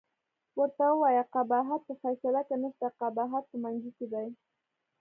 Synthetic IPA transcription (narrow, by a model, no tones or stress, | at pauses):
wəɾt̪awwajaqabaɦat̪̚pəfajsalakanəʃt̪aqɑbaɦat̪̚pəmand͡ʒʊkɪd̪aj